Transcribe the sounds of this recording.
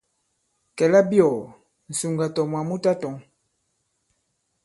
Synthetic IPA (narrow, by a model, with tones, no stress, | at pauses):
kɛ˨la˦bjɔ˨ | n̩˨su˨ŋɡa˨tɔ˨mwa˨mu˦ta˦tɔ˨ŋ